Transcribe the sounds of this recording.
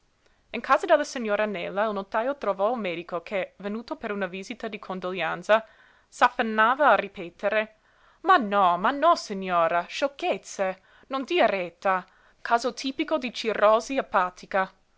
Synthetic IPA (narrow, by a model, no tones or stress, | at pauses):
iŋkʰaːzad̪elːasiɲːoːɾanɛlːailnot̪aːjot̪ɾovɔumeːd̪ikokʰevenuːt̪opeɾunaviːzit̪ad̪ikʰond̪oljant̪sa | safːanːaːvaːripɛːt̪eɾe | manɔmanːɔsiɲoːɾaʃokːet̪se | nond̪iaɾet̪ːa | kʰaːzot̪ʰiːpikod̪it͡ʃiroːziapːaːt̪ʰika